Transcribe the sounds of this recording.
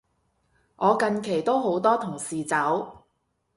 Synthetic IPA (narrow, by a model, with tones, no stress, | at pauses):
ʔɔː˨˧kɐ˧nkʰe˨˩jt̪o˥wɦo˨˥wt̪ɔː˥t̪ʰʊ˨˩ŋsiː˨t͡sɐ˨˥w